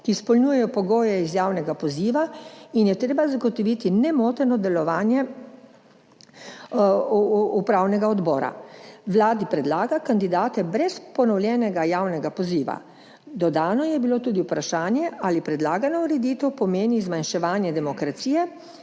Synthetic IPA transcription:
kispɔlnuːjɛjɔpɔɡoːjɛizjaːwnɛɡapɔziːʋainjɛt̪ɾeːbazaɡɔt̪ɔʋit̪inɛmoːt̪ɛɾnɔd̪ɛlɔʋaːnjɛ | upɾawnɛɡaɔd̪bɔːɾa̰ʋlaːd̪ipɾɛd̪laːɡakand̪id̪aːt̪ɛbɾɛspɔnɔwljɛːnɛɡajaːwnɛɡapɔziːʋa̰ | d̪ɔd̪aːnɔjɛbilot̪uːd̪iwpɾaʃaːnjɛʔaːlipɾɛd̪laːɡanɔuɾɛd̪it̪ɛwpɔmeːnizmanʃɛʋaːnjɛd̪ɛmɔkɾat̪siːjɛ

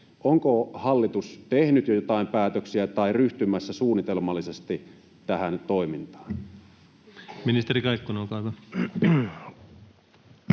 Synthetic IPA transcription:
ʔoŋkohɑlːit̪ust̪ehnyt̪jojot̪ɑˑimpæːt̪øksiæt̪ɑiryht̪ymæsːæsuːnit̪elmɑlːisest̪i | t̪æhænt̪oimint̪ɑ̥ːn | minist̪erikɑikːunoːkɑˑikɑ

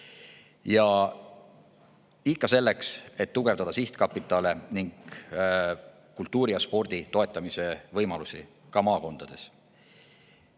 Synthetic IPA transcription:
jɑ | ikˑːɑse̞lːe̞kse̞t̪ːuɡ̥e̞vd̪ɑd̪̥ɑsiht̪kɑpːˑit̪ːˑɑleniŋɡ̥ | kːult̪ːˑuːɾijɑspo̞rd̪̥it̪o̞e̞t̪ːˑɑmise̞vɤjmɑlusi | kɑmɑːko̞nd̪̥ɑd̪̥e̞s

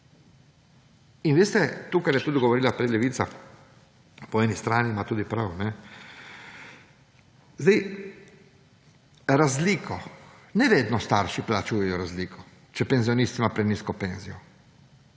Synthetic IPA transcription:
inʋeːst̪ɛt̪uːkaɾjɛt̪uːd̪ɡɔʋɔɾiːlapɾɛlɛʋit̪sa̰ | pɔɛnist̪ɾaːnimat̪uːd̪ipɾawnɛ | zd̪ɛj | ɾazliːkʰɔ | nɛʋeːd̪nɔst̪aɾʃiplat͡ʃuːjɛjɔɾazliːkʰɔ | t͡ʃɛpɛnzijɔniːst̪simapɾɛniskɔpeːnzijɔ

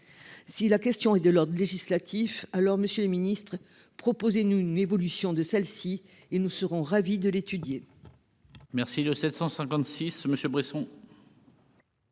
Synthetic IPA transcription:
silakʲɛst̪jɔ̃ɛd̪əlɔʁd̪ʁəleʒislat̪ʰifalɔʁməsjøləminist̪χ | pχɔpozenuynevɔlysjɔ̃d̪əsɛlsi | enusəʁɔ̃ʁavid̪əlet̪yd̪je | mɛʁsiləsɛt̪sɑ̃sɛ̃kɑ̃t̪sisməsjøbʁesɔ̃

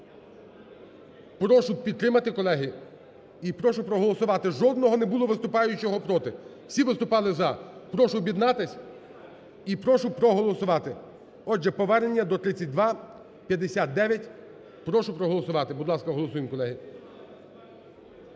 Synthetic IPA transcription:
pɾɔʃʊpʲid̪̚t̪ɾɪmɐt̪ɪkɔlˠɛɦi | ipɾɔʃʊpɾɔɦɔlˠɔsʊʋɑt̪ɪʒɔd̪nɔɦɔnebulˠɔʋɪst̪ʊpɑjʊʊt͡ʃɔɦɔpɾɔt̪ɪwsʲiʋɪst̪ʊpɑlˠɪzɐpɾɔʃʊbʲjid̪nɑt̪ɪsʲ | ipɾɔʃʊpɾɔɦɔlˠɔsʊʋɑt̪ɪ | ɔd͡ʒɛpɔʋɛɾnenʲːɐd̪ɔt̪ɾɪt͡sʲːɐt̚ʲd̪ʋɑ | pʲjɐd̪esʲat̪̚d̪ɛʋʲjɐtʲ | pɾɔʃʊpɾɔɦɔlˠɔsʊʋɑt̪ɪbʊd̪lˠɑskɐɦɔlˠɔsujemkɔlˠɛɦi

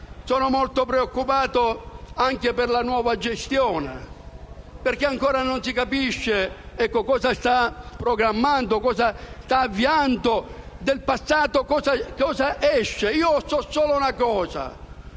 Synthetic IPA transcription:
sɔːnomolt̪opɾeokːupaːt̪oaŋkeperlanwɔːvad͡ʒest̪jɔːnḛ | perk̟ːeaŋkɔːɾanonsikapiʃːe | ɛkːokɔːsast̪apːɾoɡɾamːant̪okɔːsast̪aːvːiant̪o | d̪elpasːaːt̪okɔːzakɔːzaʔɛʃːeiːosɔsoːlounakɔːza̰

